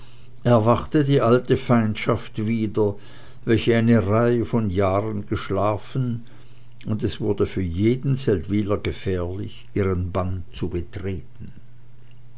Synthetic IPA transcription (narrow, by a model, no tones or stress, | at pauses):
ʔɛɐvaχtədiːʔaltəfaɪntʃaftviːdɐ | vɛlçəaɪnəʁaɪəfɔnjaːʁənɡəʃlaːfən | ʊndɛsv̥ʊɐdəfyːɐjeːdn̩sɛltv̥iːlɐɡəfɛːɐlɪçʔiːʁənbant͡subətʁ̥eːtn̩